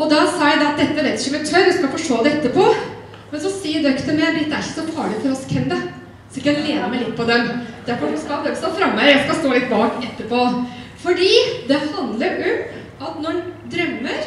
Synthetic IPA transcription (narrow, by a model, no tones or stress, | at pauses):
ɔd̪ɑsɑːjæɪd̪ɑɑt̪̚d̪ɛt̪ːəʋeɪt̪ɪçəɔmɛt̪ʰœɾʋɛskɑlfɔʂʈoːd̪ɛɛt̪ːəpʰɔ | mɛnsɔsiːd̪œkt̪ənmɛb̪ɾɪt̪d̪æɾɪçə̥sɔpʰɑːɭɪfɔɾɔskʰɛnd̪ə | sɪkːleːd̪ɑmæɪlɪt̪̚ːpʰɔd̪ɛnd̪̥æɾfɔɾʊskɑd̪økst̪ɑːfɾɑmːəɾjæɪskɑst̪oːlɪt̪ːbɑːkɛt̪ːəpofɔɖiːd̪ɛhɑnd̪ləɾʉ | ɑt̪nɔɖd̪ɾœmːəɾ